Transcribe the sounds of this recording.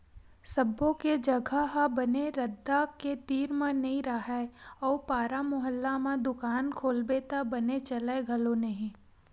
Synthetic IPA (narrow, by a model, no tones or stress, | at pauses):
sɐbõked͡ʒɐɡʱaɦabɐneɾɐd̪ːaket̪iːɾmãnɐɦĩɾɐɦɛɔːpaːɾamʊɦəlːamãd̪ʊkaːnkʰoːlbet̪abɐnet͡ʃɐleɡʱɐlonɐɦĩ